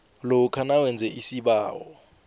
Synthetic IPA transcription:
lɔkʰanawɛnd͡zʱɛʔisiɓaːwɔ

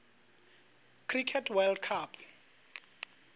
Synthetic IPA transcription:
kʰrikʰɛtʰwɛldkʰapʰ

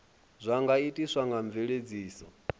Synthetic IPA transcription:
zʷaŋɡaitʼiswaŋɡaɱbveɺed͡ziːsɔ

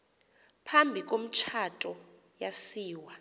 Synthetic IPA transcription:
pʰambʱik̬ʼom̩t͡ʃʰatʼɔ | jasiːwa

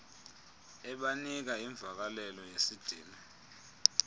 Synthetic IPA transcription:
ɛɓanik̬aiɱvʱak̬alɛlɔjesid̥ʱiːma

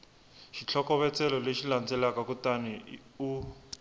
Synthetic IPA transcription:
ʃit͡ɬʰɔkɔβɛt͡sɛlɔleʃilant͡sɛlakakutaniu

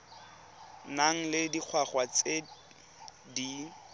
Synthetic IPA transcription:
naŋ̩lɪdik͡xʰwaχwat͡se | di

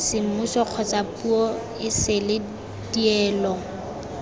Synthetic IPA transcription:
sɪm̩mʊsɔq͡χʰɔt͡sʼapʼuɔ | ɪsɪlɪ | diɛːlɔ

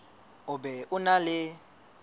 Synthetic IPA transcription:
ʊbɛʔʊnalɪ

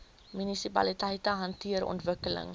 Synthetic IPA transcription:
mynisipɐ̰litɐjtəɦɐntiəɾɔ̰ntvəkələ̰ŋ

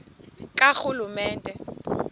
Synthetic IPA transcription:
kʼaxʊlumɛːntʼɛ

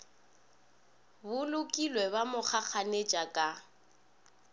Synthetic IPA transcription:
bʊlʊkʼilwɛβamʊχak͡xaned͡ʒʼakʼa

